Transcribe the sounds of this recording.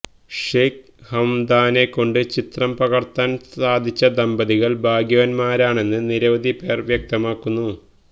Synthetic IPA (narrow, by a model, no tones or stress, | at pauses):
ʂeːk | hɐmd̪aːne̞kːo̞ɳɖɨt͡ɕit̪rɐmpɐɣɐrt̪ːaːnsaːd̪ʱit͡ɕːɐd̪ɐmbɐðiɣɐɭbʱaːɡjɐʋɐnmaːɾaːɳe̞nːɨniɾɐʋɐd̪ʱipe̞ːrʋjɐk̚t̪ɐmaːkːunːu